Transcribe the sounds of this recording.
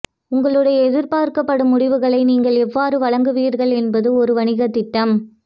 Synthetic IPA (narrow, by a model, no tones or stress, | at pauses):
ʊŋɡɐɭɯɽɐjɐɛðɪɾpaːɾkɐpːɐɽɯmːʊɽɪʋɯɣɐɭɐɪniːŋɡɐɭɛʋːaːɾɯʋɐɭɐŋɡɯʋiːɾɣɐɭɛnbɐðɯɔɾɯʋɐɳɪɣɐt̪ːɪʈːɐm